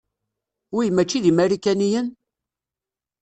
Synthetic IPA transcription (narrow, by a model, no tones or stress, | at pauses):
ujmæt͡ʃːiðimæɾikænijən